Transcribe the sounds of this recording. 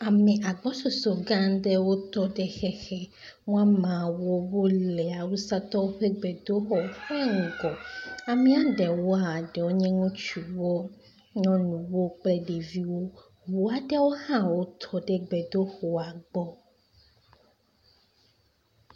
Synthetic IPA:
a˨mɛ̃˨ʔa˨ɡ͡bɔ˦so˨so˨ɡã˦n˦ɖɛ˦wo˦t̪ɔ˦ɖɛ˦xɛ˦xɛ˦ | mũ˦a˦mã˨wo˦wo˦lɛ˨a˨wu˦sa˦t̪ɔ˦wo˦ɸe˦ɡ͡bɛ˨do˦xɔ˨ɸɛ˦ŋ̩˨ɡɔ˨a˨mĩ˦a˨ɖɛ˨wo˦a˦˨ɖɛ˨wo˦ɲɛ̃˦ŋũ˦t͡ʃu˨wo˦ | ɲɔ̃˦nũ˨wo˦k͡plɛ˦ɖe˨vi˦wo˦ | wu˨a˨ɖɛ˦wo˦hã˦wo˦t̪ʰɔ˦ɖɛ˦ɡ͡bɛ˨d̪o˦xɔ˨a˨ɡ͡bɔ˦

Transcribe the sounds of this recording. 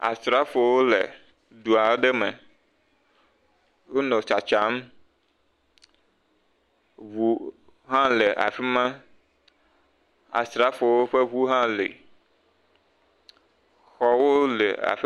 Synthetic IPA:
a̰˨st̪ɾa˦fo˨wo˦lḛ˨ | du˨a˨˦ɖe˦me˨ | wo˦nɔ̃˨t͡ʃa˨t͡ʃa˨˦m˦ | vu˨ | ɦã˦le˨ʔa̰˨fi˦mã˦ | a̰˨st̪ɾa˦fo˨wo˦ɸe˦βu˦ɦã˦lḛ˨ | xɔ˦wo˦lḛ˨a̰˨fi˦

